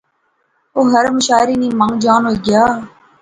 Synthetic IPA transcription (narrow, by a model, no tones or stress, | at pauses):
oːɦəɾmʊʃaːɪɾiːnĩːmãŋɡd͡ʒaːnɦoːiːɡɪjaː